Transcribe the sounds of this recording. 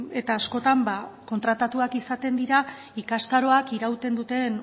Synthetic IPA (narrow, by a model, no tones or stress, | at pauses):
e̞t̪aːsko̞t̪ambako̞nt̪ɾat̪at̪uakisat̪e̞nd̪iɾa | ikast̪aɾo̞akiɾawt̪e̞nd̪ut̪e̞n